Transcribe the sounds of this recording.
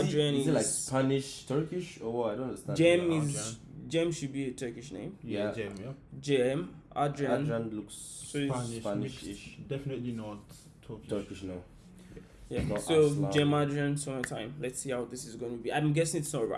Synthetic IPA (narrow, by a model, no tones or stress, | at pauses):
dɹãnizlaɪkspʰanɪʃtʰɜ˞kɪʃɔwɔaɪdõnãndəstãnd͡ʒɛ̃mɪz | d͡ʒɛ̃mʃʊd̚biətʰɜ˞kɪʃnḛ̃ɪ̃mjæ | d͡ʒɛ̃mʔadɹə̃nɹãnluks | soiʃanɪʃdɛfɪnətlinɔtʰː | ktʰɜkɪʃnãm | janɔsod͡ʒɛ̃madɹə̃nsomatʰãɪ̃mlɛtsihawt̚ðɪsɪzɡõnəbiãɪ̃mɡɛsɪ̃ŋɪtsnɔtəɹa̰